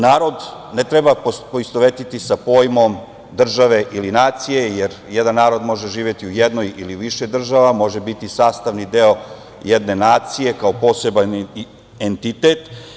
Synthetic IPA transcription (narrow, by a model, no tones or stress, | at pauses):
naːɾo̞d̪net̪ɾebapoist̪oʋet̪it̪isapo̞ːjmo̞m | d̪r̩ʒaʋe̞ʔilinaːt̪sije̞jeɾjed̪anːaːɾo̞d̪mo̞ʒeʒiːʋje̞t̪iujed̪no̞jiliʋiʃed̪r̩ʒaʋamo̞ʒebit̪isaːst̪aʋnid̪eo̞ | jed̪ne̞naːt̪sije̞kaopo̞ːse̞ban | ent̪it̪e̞t̪